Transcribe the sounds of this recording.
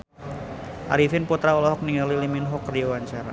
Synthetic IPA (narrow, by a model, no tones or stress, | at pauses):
ʔa̰ɾifɪnput̪ɾaɔlɔɦɔk̚niŋaliliminɦɔkrjowaɲt͡ʃaɾa̰